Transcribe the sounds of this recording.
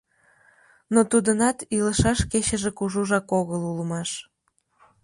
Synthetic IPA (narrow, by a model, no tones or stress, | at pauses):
not̪ud̪ənɑt̪iləʃɑʃket͡ɕəʒekuʒuʒɑkoɣəluləmɑʃ